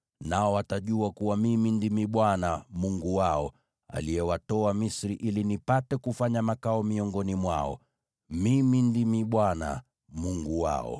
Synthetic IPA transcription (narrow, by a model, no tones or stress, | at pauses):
naɔwataʄuakuwamimindimiɓwanamuŋɡuwaɔ | a̰lijɛwatɔamisɾiʔilinipatɛkufaɲamakaɔmiɔŋɡɔnimwa̰ɔ̰ | mimindimiɓwana̰ | muŋɡuwa̰ɔ̰